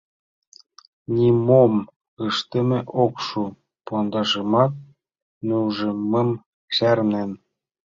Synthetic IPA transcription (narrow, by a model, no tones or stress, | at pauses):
nʲimom | ɯʃt̪ɘ̆mʲĕʔokʃu | pond̪ɑʒɤ̆mɑt̪̚ | nuʒĕmmːɤ̆m | ɕærnem